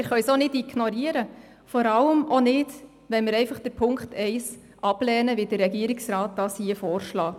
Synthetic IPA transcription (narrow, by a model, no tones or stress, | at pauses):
ɪɾχœʏsonɪdiɡnɔɾiəɾə | fɔɾɑləmʔɔnɪd | ʋɛnmɪɾɛɪfɑχd̥əɾpʰʊŋkχtʰɛɪs | ʔɑb̥lɛːnəʋɪd̥ərːɛɡiəɾiksɾɑːt̚d̥ɑːsiəfɔːɾʃlɑː